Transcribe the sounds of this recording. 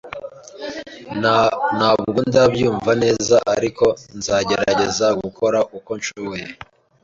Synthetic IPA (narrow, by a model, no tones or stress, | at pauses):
naβɡɡundabjuːɱvane̞ːzaʔaɾiko̞nzaːɟe̞ɾaɟe̞zaɡukʰo̞ɾaʔuko̞nt͡ʃuweje